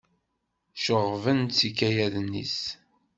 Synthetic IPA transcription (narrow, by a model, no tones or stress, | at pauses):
ʃəʁvənt͡sːikːæjæðnːḭs